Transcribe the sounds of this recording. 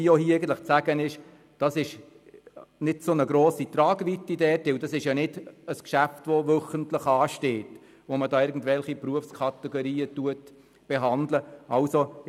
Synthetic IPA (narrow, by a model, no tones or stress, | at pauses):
ioɦiːæɪɡn̩t̪ləχt͡sæɡ̥ənɪʃ | d̥ɑsɪʃ | nɪdsonəɡɾoːsit̪ɾɑːɡʋitidɛːtɪwdɑsɪʃjɑnɪdəskʃæftʋoʋœχəntləχɑːʃteːt | ʋomədɑːɪɾɡn̩dʋɛlχipruəfskʰɑtɛɡoɾiːətuət | b̥ɛɦɑndləʔɑlso